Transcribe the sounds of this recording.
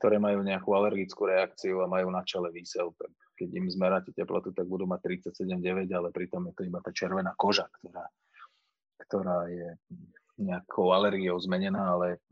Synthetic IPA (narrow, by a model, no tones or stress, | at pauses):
k̚t̪ɔɾɛːmajuːɲɛakualɛɾɡit͡skuːɾɛakt͡siuamajuːnat͡ʃɛlɛʋiːsɛlt̪ak | kɛɟimzmɛɾacɛcɛplɔ̰t̪ut̪aɡ̚bud̪uːmac̚t̪ɾit͡sacsɛɟɛmɟɛʋɛɟalɛpɾit̪ɔmjɛt̪ɔibat̪aːt͡ʃɪɛɾʋɛnaːkɔʒakt̪ɔɾaː | kt̪ɔɾaːjɛ | ɲɛakʰɔʊalɛɾɡiɔʊzmɛɲɛnaːalɛ